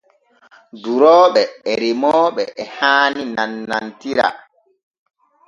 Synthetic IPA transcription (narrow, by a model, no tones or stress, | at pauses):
duɾɔːɓɛɛɾimɔːɓɛʔɛhaːninanːantiɾa̰